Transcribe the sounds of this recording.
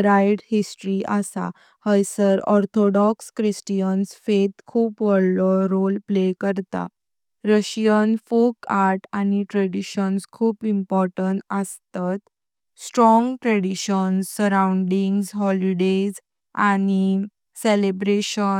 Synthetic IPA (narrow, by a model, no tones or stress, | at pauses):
ɾajɖhisʈɾiʔasa̰ | həjsəɾɔɾt̪ʰɔɽɔkskɾisʈijənsfet̪kʰuːpʋəɽlɔɾolplekəɾt̪a̰ | ɾəɕjənfokaɾʈañiʈɾɛɽiɕənskʰuːpimpɔɾʈəɳʈəst̪at̪ | sʈɾɔ̃ŋɡʈɾeɽiɕənssəɾawuɳɖiŋɡsɦɔliɖez | ani | selebɾeɕə